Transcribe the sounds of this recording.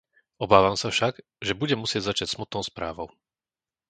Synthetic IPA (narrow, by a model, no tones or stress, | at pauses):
ɔbaːʋamsafʃaɡ | ʒɛbuɟɛmusɪɛɟzat͡ʃacsmut̪nɔʊspɾa̰ːʋɔʊ